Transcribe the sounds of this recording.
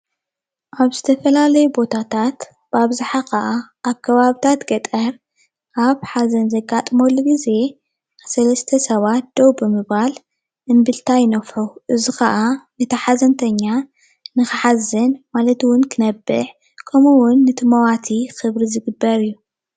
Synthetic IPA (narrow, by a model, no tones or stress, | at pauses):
ʔaβzɨt̪ʰɐfɐlalɐjubo̞t̪ʰat̪ʰat̪ | b̥aβzaħakɐʔaʔaβkʰɐβaβit̪ʰat̪ɡɐt̪ʼɐɾ | ʔaβħazɐnzɐɡat̪ʼmolːuɡize̞ | sɐlɐst̪ʰɐsɐβat̪̚d̪̥owbɨmɨβal | ʔɨnbɨlt̪ʰajɪnɐfħuʔɨzixɐʔanɨt̪ʰɐħazɐnt̪ʰɐɲːa | nɨxɨħazɐnmalɐt̪wʊnkʰɨnɐbːɨ̰ħ | kʰɐmuwʊnːɨt̪ʰɨmɐwat̪ʰixɨβɾizɨɡɨbːɐɾɨjːu